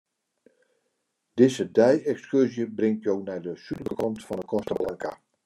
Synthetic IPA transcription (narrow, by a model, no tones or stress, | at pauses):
d̥ɪzədɛjɛkskørzjəbrɪŋtjownɛjdəsyləɡəkʰɔntfɔndəkʰɔstəblaŋka̰